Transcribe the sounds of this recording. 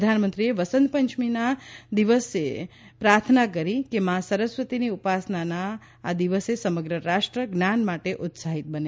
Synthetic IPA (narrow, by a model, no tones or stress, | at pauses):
d̪ʱanmənt̪ɾieʋəsənd̪pəɲt͡ʃʰminad̪iʋəsepɾaɾt̪ʰnakəɾikemãsəɾəsʋət̪iniupasnanaː | d̪iʋəsesəməɡɾəɾaʂʈɾəɡnanmaʈeʔʊt̪saɦit̪̚bəne